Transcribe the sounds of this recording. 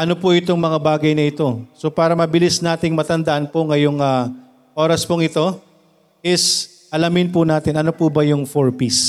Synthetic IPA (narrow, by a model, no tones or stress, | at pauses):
ʔɐno̞pʊʔɪt̪oŋmɐŋabaːɡɐjnɐʔɪt̪o̞so̞paːɾɐmɐbɪlɪsnaːt̪ɪŋmɐt̪ɐnd̪ɐʔɐnpoŋɐjoŋa | ʔo̞ːɾɐspoŋɪt̪o̞ | ʔɪs | ʔɐlɐmɪnpʊnaːt̪ɪnʔɐno̞pubɐjʊŋfoɹpis